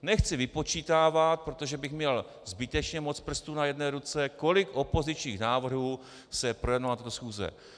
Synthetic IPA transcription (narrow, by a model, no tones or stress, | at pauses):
nɛxt͡sɪvɪpo̞t͡ʃiːt̪aːvat̪̚pɾo̞t̪o̞ʒɛbɪxmɲɛl | zbɪt̪ɛt͡ʃɲɛmo̞t͡spr̩st̪unajɛdnɛːɾut͡sɛko̞lɪkʔo̞po̞zɪt͡ʃɲiːxnaːvr̩ɦuː | sɛpɾojɛdnalnat̪ot̪osxuːzɛ̰